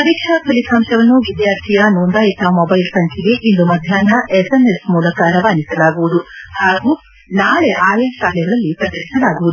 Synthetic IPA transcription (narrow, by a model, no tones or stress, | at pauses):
pɐɾikʂakʰɐlikʰaːmtɐʋɐnːuʋid̪jaːɾt̪ʰijɐnoːnd̪aːit̪ʰamobɐjlsɐŋkʰeɡe̞ʔind̪umɐd̪ʱjaːnɐesenesmuːlɐkaːɾɐʋaːnisɐlaːɡuʋud̪uhaːɡu | naːɭeʔaːjɐːʃaːlɛɡɐɭɐlːipɾɐd̪ɐʈisɐlaːɡuʋud̪u